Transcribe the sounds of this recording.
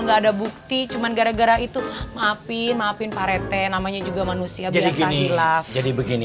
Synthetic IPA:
ŋɡaːdabuk̚t̪it͡ʃumanɡaɾaɡaɾait̪umaapɪnmaːpɪnpaɾɛt̪ɛnamaɲad͡ʒuɡamanusiabd͡ʒiasasilafd͡ʒadibəɡini

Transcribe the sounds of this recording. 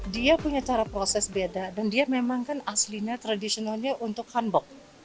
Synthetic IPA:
diapuɲat͡ʃaɾapɾosɛsbedadandiamemaŋkanasliɲat̪ɾadisionalɲaʔunt̪ʊk̚hanbɔk̚

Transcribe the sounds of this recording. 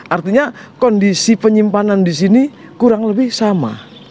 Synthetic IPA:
ʔart̪iɲakɔndisipəɲimpanandis̬ini | kuɾaŋləbɪhsama̰

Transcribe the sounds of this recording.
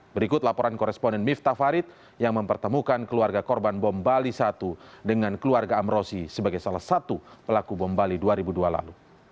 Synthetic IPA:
bəɾikʊt̪̚lapɔɾankɔɾɛspɔndɛnmift̪afaɾɪt̪̚ | jaŋməmpərt̪əmukankəluarɡakɔrbanbɔmbalisat̪udəŋankəluarɡaːmɾosisəbaɡajsalahsat̪upəlakubɔmbaliduaɾibuduala̰lu

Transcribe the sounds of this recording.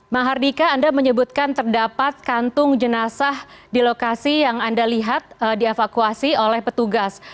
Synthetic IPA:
maɦardikaːndaməɲəbut̪̚kant̪ərdapat̪̚kant̪ʊŋd͡ʒənasah | dilokasijaŋandaliɦat̪̚diefakuasiolɛhpət̪uɡas

